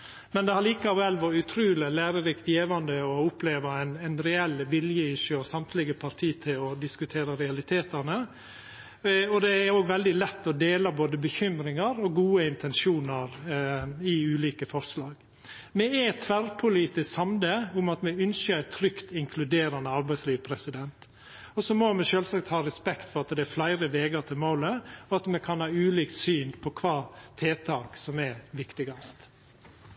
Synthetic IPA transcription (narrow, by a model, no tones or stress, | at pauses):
mɛnd̪ɛhɑɾɭiːkɑʋɛlːʋɔɾʉt̪ʰɾʉːləlæːɾəɾɪkt̪jeːʋɑnd̪əɔʊpʰleːʋɑɛɪnæɪnɾɛɛlːʋɪljəɪʂjəɔsɑmt̪ʰlɪɡəpʰɑɾt̪ʰiːt̪ʰɪlɔd̪ɪskʉt̪ʰeːɾəɾɛɑlɪt̪ʰeːt̪əɾnə | ɔd̪ɛæɾoːɡʋɛld̪ɪlɛt̪ːɔd̪eːlɑboːd̪əbəçʏmɾɪŋɑɾɔɡuːəɪnt̪ʰɛnʂuːnɑɾ | ɪʉːliːkəfɔɾslɑːɡ | mɛæt̪ʰʋæɾpʰʊliːt̪ɪskhɑmd̪əʊmɑt̪mɛʏnsəɾæt̪ʰɾʏkt̪ɪŋkʰlʉd̪eːɾɑnəɑɾbæɪsliːʋpʰɾɛsɪd̪ɛnt̪ | ɔsɔmɔmɛʃøːlsɑkt̪hɑːɾɛspɛkt̪fɔɾɑt̪d̪ɛæɾflæɪɾəʋeːɡəɾt̪ʰɪlmoːləɔɑt̪mɛkʰɑnhɑːʉːliːkt̪syːnpʰɔkʰʋɑːt̪ʰeːt̪ʰɑːksɔmɛʋɪkt̪ɪɡɑst̪